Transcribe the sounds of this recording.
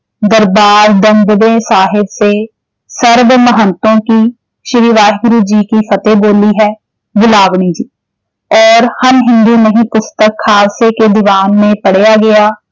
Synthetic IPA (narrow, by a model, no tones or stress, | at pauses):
d̪əɾbaːɾd̪əŋɡ̪bẽːsaːɦɪbseː | səɾʋməɦənt̪õːkiː | ʃɪɾiːʋaːɦɡʊɾuːd͡ʒiːkiːpʰət̪eːboːliːɦɛː | bʊlaːʋɳiːd͡ʒiː | ɔːɾhənɦɪ̃nd̪iːnəɦĩːpʊst̪əkʰːaːseːkeːd̪ɪʋaːnmẽpəɽejaːɡɪjaː